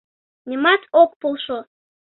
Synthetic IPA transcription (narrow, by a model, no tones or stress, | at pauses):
nʲimɑt̪ok̚polʃo